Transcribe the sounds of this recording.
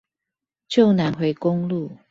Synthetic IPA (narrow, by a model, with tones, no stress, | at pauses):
t͡ɕjo˥˨ʊna˨˥nxwe˧˥ɪkʊ˥ŋlu˥˨